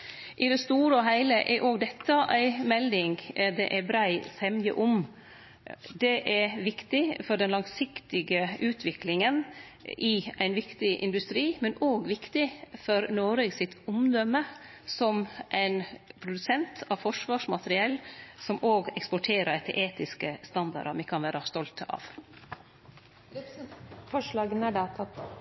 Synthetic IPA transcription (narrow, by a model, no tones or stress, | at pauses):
ʔɪd̪ɛst̪uːɾəɔɦæɪləʔɛɾʔoːɡd̪ɛt̪ʰːɑʔæɪmɛlɪŋɡd̪ɛ̰ʔæɾbɾæɪsɛmjə̰ʔʊm | d̪ɛʔæʋɪkt̪ɪfɔɖɛnlɑŋsɪkt̪ɪɡəʔʉːt̪ʰʋɪklɪŋən | ʔɪæɪnʋɪkt̪ɪʔɪ̰nd̪ʉst̪ɾiːmɛnoːɡʋɪkt̪ɪfɔɾnoːɾeɡsɪt̪ʊmd̪œmːə | sɔmʔæɪnpʰɾʊd̪ʉsɛnt̪ɑʋfɔʂʋɑːʂmɑt̪əɾɪɛlːsɔmʔoːɡɛkspɔʈʰeːɾəɛt̪ʰːəɾʔeːt̪ɪskəst̪ɑnd̪ɑ̰ɾɑmɪkʰɑnʋæːɾɑst̪ɔlt̪ʰɑ̰ːʋ | fɔʂlɑːɡənæɖɑt̪ʰɑ